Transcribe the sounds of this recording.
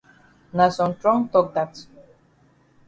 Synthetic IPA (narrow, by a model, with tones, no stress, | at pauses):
na˨sɔ̃˨ntɹɔ̃˦ŋtɔk̚d̪a˨t